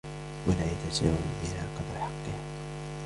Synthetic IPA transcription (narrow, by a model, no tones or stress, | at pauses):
walaːjat̪asa̰ːwanʔɪnaqɑd̪ɾħɑqːɨha